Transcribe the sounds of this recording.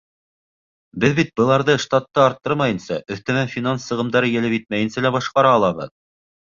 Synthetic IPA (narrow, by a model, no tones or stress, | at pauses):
bɘðbit̪̚bɤ̆lˠɑɾðɤʃt̪at̪ːɤɑɾt̪ːɤɾmɑjɤ̆nsɑʔɵ̆θt̪æ̆mænfʲinansːɤ̆ʁɤ̆md̪ɑɾɤjɘ̆lɘpjɘt̪̚mæjɘ̆nsælæbɑʃqɑɾɑːlˠɑβɤ̰ð